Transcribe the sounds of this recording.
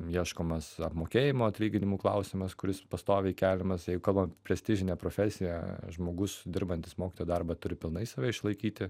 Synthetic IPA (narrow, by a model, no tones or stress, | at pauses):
jiɛʃkoːmɐsɐpmoːkʲeːjɪmoːɐt̪ʲlʲiːɡʲɪnʲɪmuːklˠɐʊsʲɪmɐskʊɾʲɪspɐst̪oːʋʲeikʲæːlʲɪmɐsjɛɪɡʊkɐlˠbɐmʲpʲɾʲɛsʲt̪ʲɪʒʲɪnʲɛpɾoːfʲɛsʲɪjæʒmoːɡʊsd̪ʲɪɾbɐnʲt̪ʲɪsmoːkʲɪt̪oːjoːd̪ɐrbɐt̪ʊɾʲɪpʲɪlˠnɐɪsɐːʋʲɛɪʃlˠɐɪkʲiːt̪ʲɪ